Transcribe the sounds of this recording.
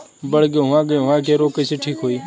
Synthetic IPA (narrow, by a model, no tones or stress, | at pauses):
bəɽɡeːɦʊʋãːɡeːɦʊʋãːkʰeːɾoːkeːseːʈʰiːkɦoːiː